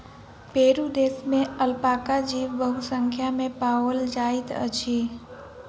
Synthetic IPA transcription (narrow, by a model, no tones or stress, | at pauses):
peːɾud̪eːsmẽəlpaːkad͡ʒiːʋəɦusə̃ŋkʰjamẽpaːold͡ʒaːɪt̪ə̰t͡ʃʰiː